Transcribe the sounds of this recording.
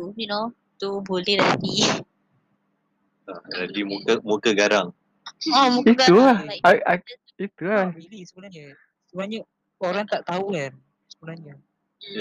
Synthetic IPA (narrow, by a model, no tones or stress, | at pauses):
jno | t̪ubulihɾadi | aɾadimukəmukəɡaɾaŋ | amuitulahaa | it̪ulabilisəbunaɦɲə | səbaɲə | oɾaŋt̪aʔt̪auɛn | səbunahɲa